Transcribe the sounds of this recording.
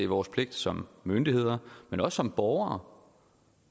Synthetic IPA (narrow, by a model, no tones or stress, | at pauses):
iʋɒːspʰle̝ɡ̥̚d̥sɒ̽mːønd̥ihe̝ð̰ˠɐmenɒ̽sːɒ̽mb̥ɒʊɐː